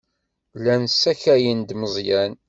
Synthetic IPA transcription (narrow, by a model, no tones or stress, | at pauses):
lænsæçæjənd̪məzˤjæn